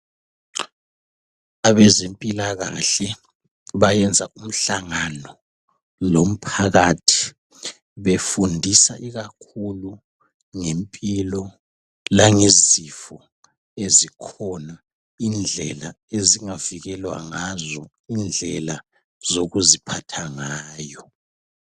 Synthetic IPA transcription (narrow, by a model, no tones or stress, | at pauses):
aβɛzempʼilaɣa̰ɬɛ | βajɛnd͡zʱaʔum̩ɬaŋanɔ | lom̩pʰaɣatʰi̥ | βefundʱisaʔiɣakʰulu | ŋempʼilɔ | laŋezifɔ | ezikʰɔna | ind͡ɮʱɛla | eziŋaviɣɛlwa̰ŋazɔ | ind͡ɮʱɛla | zoɣuzipʰatʰaŋaːjɔ